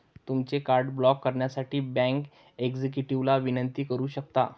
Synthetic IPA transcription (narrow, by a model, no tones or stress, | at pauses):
t̪umt͡sekaɾɖblɔkːəɾɳjasaʈʰiːbæ̃ŋk | eɡd͡zek̬juʈiʋlaʋinənt̪iːkəɾuːɕək̚t̪a